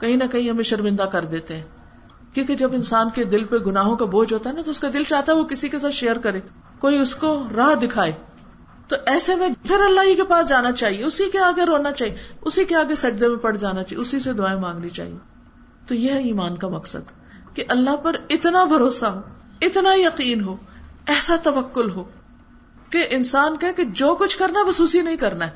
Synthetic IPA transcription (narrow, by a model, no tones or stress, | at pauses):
kɐɦĩnɐkɐɦĩɦɐmẽʃɐɾmɪ̃nd̪akɐɾd̪eːt̪eɦɛ̃ː | kjõːked͡ʒɐbɪnsaːnked̪ɪlpeɡʊnaːɦõkaboːd͡ʒɦoːt̪aɦɛnat̪oʊskad̪ɪlt͡ʃaːɦt̪aɦɛʋokɪsikes̬aːt̪ʃejəɾkɐɾeː | koːiʊskoɾaːɦd̪ɪkʰaːeː | t̪oʔɛːsemẽpʰɪɾɐlːaːɦikepaːsd͡ʒaːnat͡ʃaːɦieʊsikeaːɡeɾoːnat͡ʃaːɦieʊsikeaːɡesɐd͡ʒd̪emẽpɐɽ̤d͡ʒaːnat͡ʃa̰ʊsised̪ʊaːemãːŋɡnit͡ʃa̰ːɦḭe | t̪ojeɦiːmaːnkamɐqsə̰d̪ | keʔɐlːaɦpɐɾɪt̪nabʱɐɾoːsaɦoː | ɪt̪najɐqiːnɦoːɛːsat̪ɐʋɐkːʊlɦoː | keʔɪnsaːnkaeked͡ʒoːkʊt͡ʃʰkɐɾnabɐsuːsinɐɦĩkɐɾnaɦɛː